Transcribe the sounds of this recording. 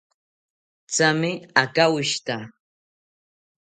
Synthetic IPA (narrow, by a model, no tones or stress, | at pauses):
t͡samɪakawɪʃt̪a